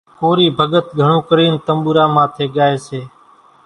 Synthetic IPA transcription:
koːɾiːbʱəɠət̪ɡʱəɳõːkəɾiːnt̪əmɓuːɾãːmãːt̪ʰeːɠaːeːseː

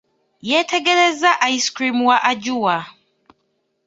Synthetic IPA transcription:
jetʰeɡelezaʔaiskɾimwaʔaɟuwa

